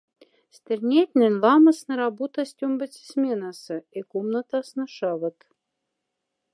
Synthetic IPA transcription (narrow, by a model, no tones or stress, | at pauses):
sʲt̪ʲɘ̆rʲnʲet̪ʲnʲɘ̆nʲlɑmə̆snɤ̆ɾɑbut̪ɑsʲtʲombə̆t͡sʲsʲmʲenɑsɤ̆ekomnə̆t̪ɑsnə̆ʃɑvə̆t̪